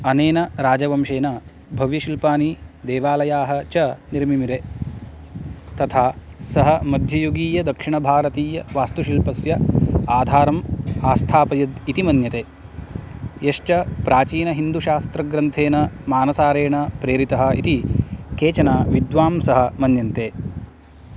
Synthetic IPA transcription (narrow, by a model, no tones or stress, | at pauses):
ɐneːnɐɾaːd͡ʒɐʋɐmʃeːnɐ | bʱɐʋjɐʃilpaːnid̪eːʋaːlɐjaːɦɐt͡ʃɐniɾmimiɾe | t̪ɐt̪ʰaːsɐɦɐmɐd̪ʱjɐjuɡiːjɐd̪ɐkʂiɳɐbʱaːɾɐt̪iːjɐʋaːst̪uʃilpɐsjɐaːd̪ʱaːɾɐmaːst̪ʰaːpɐjɐd̪it̪imɐnjɐt̪eː | jɐʂt͡ʃɐpɾaːt͡ʃiːnɐɦind̪uʃaːst̪ɾɐɡɾɐnt̪ʰeːnɐmaːnɐsaːɾeːɳɐpɾeːɾit̪ɐɦɐ̆ḭt̪ikeːt͡ʃɐnaːʋid̪ʋaːmsɐɦɐ̆mɐnjɐnt̪eː